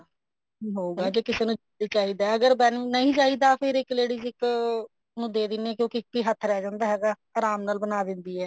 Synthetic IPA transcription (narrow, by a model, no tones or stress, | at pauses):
iːɦoːɡaːd͡ʒeːkɪseːnũː | iːt͡ʃaːɦiːd̪aːɛəɡəɾbɛnnəĩːt͡ʃaːɦiːd̪aːpʰɪɾɪkleːɽiːzɪk | nũːd̪eːd̪ɪneɛːkjõːkɪkːiːɦət̪ʰːɾɛːd͡ʒãːnd̪aːɦɛːɡaː | aːɾaːmnaːlbənaːd̪ɪ̃nd̪iːɛː